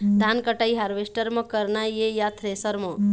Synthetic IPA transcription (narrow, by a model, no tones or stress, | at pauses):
d̪ʱankəʈaiɦaɾʋesʈəɾmə̃kəɾnajejat̪ʰɾesəɾmɔ̃